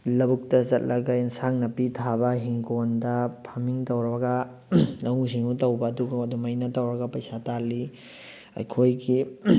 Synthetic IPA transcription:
lɐbuk̚tɐzɐt̚lɐɡɐjnsaŋnɐpitʰabɐɦiŋkondɐpʰɐmiŋtɐwɾɐɐɡɐ | nɐwusiŋutɐwbɐːduɡɐɐdumɐjnɐtɐwɾɐɡɐpɐjsatalːi | ɐ̰jkʰojɡi

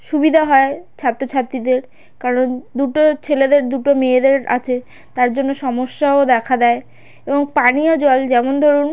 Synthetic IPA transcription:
ʃubid̪ʱaɦɔet͡ɕʰat̪ːɾot͡ɕʰat̪ːɾid̪eɾ | kaɾond̪uʈot͡ɕʰeled̪eɾd̪uʈomeed̪eɾa̰t͡ɕʰe | t̪aɾd͡ʑonːoʃɔmoʃːaod̪ɛkʰad̪ɛe | eboŋpaniod͡ʑɔld͡ʑɛmond̪ʱɔɾun

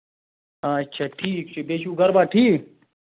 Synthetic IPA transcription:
aɐtːʃʰaːʈʰiːkt͡ʃʰebeːʃuɡɐɾbaːʈʰiːk

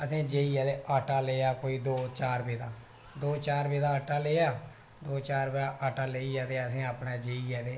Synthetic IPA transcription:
əsĩːd͡ʒeːiːaːd̪eːʔaːʈaːleːjaːkoːiːd̪oːt͡ʃaːɾbeːd̪aː | d̪oːt͡ʃaːɾbeːd̪aːəːʈaːleːjaː | d̪oːt͡ʃaːɾbeːaʔaːʈaːleːiːaːt̪eːəsĩːaːpnaːd͡ʒeːiaːd̪eː

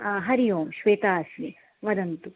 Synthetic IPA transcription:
ɦɐɾijoːmʃʋeːt̪aːsi | ʋɐd̪ɐnt̪u

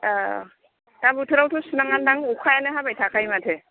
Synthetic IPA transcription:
a | tabutʰɯɾawtʰusunaŋandaŋukʰajanɯɦabajtʰakajmatʰɛ

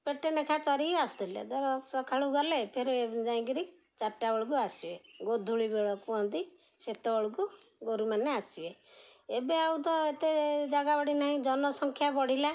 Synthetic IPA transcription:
peʈenekʰat͡ʃɔɾiasd̪ʱelḛd̪ɔɾsɔkʰaɭuɡɔlepʰeɾed͡ʒaĩɡiɾi | t͡ʃaʈːabɔɭɡ̬uasibeɡod̪ʱuɭibeɭɔkuɔ̃nd̪i | set̪ɔbɔɭɡuɡoɾumaneasibeebeaut̪ɔet̪ed͡ʒaɡabɔɽinaɦĩd͡ʒɔnɔsɔŋkʰjapɔɽ̤ila

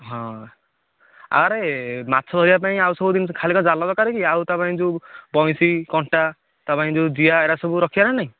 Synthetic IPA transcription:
ɦɔ̃ | a̰ɾemat̪ːsʰɔd̪ʱɔɾiap̬aĩawsɔbud̪inkʰalikɔd͡ʒalɔd̪ɔkaɾekiawt̪ɔpaĩd͡ʒubɔj̃sikɔɳʈa | t̪ɔpaĩd͡ʒud͡ʒiaeɾasɔbuɾɔkʰiaɾanaĩ

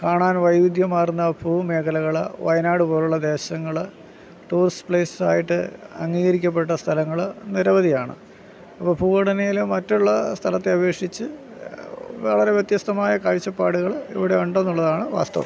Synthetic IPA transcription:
kaːɳaːnʋɐjʋid̪ʱjɐmːaːrunːɐbʰʱuːme̞ːkʰɐlɐɣɐɭʋɐjnaːɽupo̞ːluɭːɐd̪e̞ːɕɐŋːɐɭ | ʈuːrspɭeːssaːjiʈːɨ̰ɐŋːiːɣɐɾikʲːɐp̬ːe̞ʈːɐst̪ʰɐlɐŋːɐɭniɾɐʋɐðijaːɳɨ̰ | ɐpːoːbʰʱuːɐɽɐnejilmɐtːuɭːɐst̪ʰɐlɐt̪ːeɐʋe̞ːkʂit͡ɕːɨ | ʋḛɭɐɾe̞ʋjet̪jɐst̪ɐmaːjɐkaːɻit͡ɕːɐpːaːɽuɣɐɭḭʋiɽe̞uɳɖɐenːuɭːɐðaːɳɨʋa̰ːst̪ɐ̰ʋɐ̰

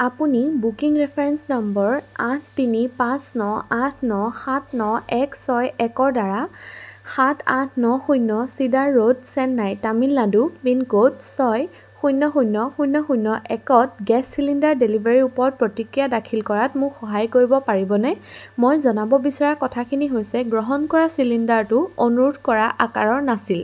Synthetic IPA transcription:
apunibukiŋɹɛpʰɛɹɛnsnambɔɹatʰtinipãsnɔatʰnɔxatʰnɔɛksɔjɛkɔɹdaɹaxatʰãtʰnɔxujnɔsidaɹːodsɛnːajtamilːadubinkodsɔj | xujnːɔxujnɔxujnːɔxujnɔʔɛkɔt̚ɡɛsːilindaɹdelibaɹiupɔɹt̚pɹotikɹijadakʰilkɔɹatmʊkxɔɦajkoɹibɔpaɹibɔnɛmojzɔnabɔbisɔɹakɔtʰakʰiniɦojsɛɡɹɔɦɔnkɔɹasilindaɹtʊonuɹudkɔɹaʔaka̰ɹɔɹnasil

